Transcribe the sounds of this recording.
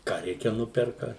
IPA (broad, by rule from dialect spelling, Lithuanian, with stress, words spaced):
kɑː ˈrʲɛɪkʲɛ ˈnʊpʲɛrkɐ